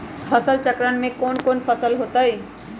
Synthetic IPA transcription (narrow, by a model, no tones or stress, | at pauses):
fʰɐsəlt͡ʃəkɾənmẽkoːnkoːnfʰɐsəlɦoːt̪aiː